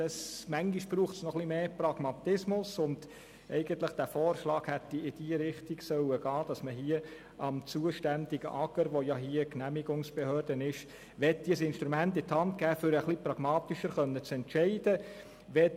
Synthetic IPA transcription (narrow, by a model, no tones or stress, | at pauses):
ɑsmæŋɡiʃb̥ɾuːχtsnɔχlimeːprɑɡ̥mɑt̪ɪsmʊsʊnd | ʔɛ̰ɪɡ̥ənt̪ləχd̥æfɔːɾʃlɑːkhɛt̪ːiɪd̥iːəɾɪχtiɡsœwəɡɑːd̥ɑsməɦiːə | ʔɑmt͡suːəʃtænd̪iɡə̰ʔɑɡ̥əɾʋojɑɦiːəknæmiɡʊŋsb̥ehœːɾdənɪʃ | ʋɛt̚d̥iəsɪnʃt̪ɾumæntɪt̪hɑntkɡ̥æːfʏɾəχlipɾɑɡ̥mɑːt̪iʃəɾχœnːət͡sɛntʃɛɪd̥ə | ʋɛ